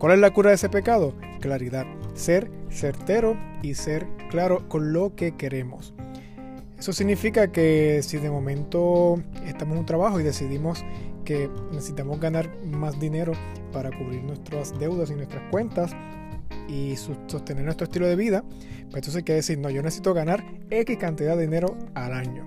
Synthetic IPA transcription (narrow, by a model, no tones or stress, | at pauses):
kwale̞slakuɾaðe̞se̞pe̞kað̞o̞ | klaɾiðad̪se̞ɾse̞ɾt̪e̞ɾo̞ise̞ɾklaɾo̞ko̞nlo̞ke̞ke̞ɾe̞mos | e̞so̞siɡnifikake̞siðe̞mo̞mẽ̞nt̪o̞e̞st̪amosunt̪ɾaβaxo̞iðe̞siðimo̞ske̞nesesit̪amo̞sɡanaɾ | masd̪ine̞ɾo̞ | paɾakuβɾiɾnwe̞st̪ɾasd̪e̞wðasinwest̪ɾaskwe̞nt̪as | iso̞st̪e̞neɾnwest̪ɾoest̪iloðe̞βiða | peent̪osejkeðesiɾno̞ʝo̞nesesit̪o̞ɣanaɾe̞kiskant̪iðaðeðine̞ɾo̞alaɲo̞